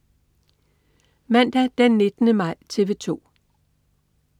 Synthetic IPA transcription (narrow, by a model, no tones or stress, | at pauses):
mæn̰d̥æd̥enːe̝d̥ənəmɑ̈ɪ̰t͡sʰe̝ʋe̝t͡sʰo̝̰ː